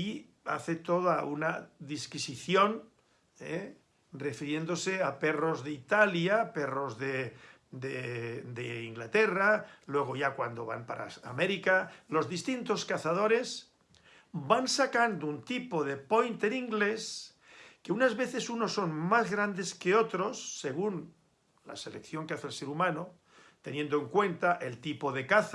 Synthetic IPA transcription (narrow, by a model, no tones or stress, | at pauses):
i | a̰θe̞t̪o̞ðaunaðiskisiθjo̞n | e | refiɾje̞nd̪o̞seape̞ro̞zðeit̪aljapero̞zðe | d̪ed̪eiŋɡlat̪eralwe̞ɣ̞oʝakwand̪o̞̰βa̰mpa̰ɾa̰ameɾikalo̞zðist̪int̪o̞skaθaðo̞ɾe̞z | bansakand̪ount̪ipo̞ð̞e̞pojnt̪eɾiŋɡle̞s | keunazβe̞θe̞suno̞sːo̞nmazɣɾand̪e̞skeo̞t̪ɾo̞sːe̞ɣ̞un | la̰selekθjo̞ŋkeaθelseɾumãno | t̪e̞nje̞nd̪oeŋkwe̞nt̪aʔe̞lt̪ipo̞ðe̞kaθ